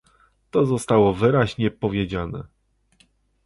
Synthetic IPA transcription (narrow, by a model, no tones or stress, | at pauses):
t̪ɔzɔst̪awɔvɘɾaʑɲɛpɔvʲjed͡ʑanɛ̰